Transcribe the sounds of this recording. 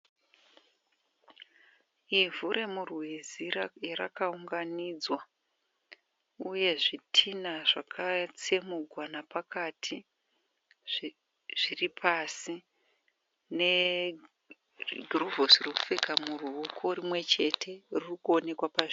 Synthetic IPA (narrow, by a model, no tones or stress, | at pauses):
ivuɾe̞murwezirara̰kauŋɡanid͡zwa | uje̞ʐitʰinaʐakʰat͡semuɡʱwanapakatʰi | ʐ̥iripʰasi | ne̞ | ɡʱruvosroku̥fekamuruokʰo̞rimwe̞t͡ʃe̞tʰe̞ririkuo̞ne̞kwapaʐ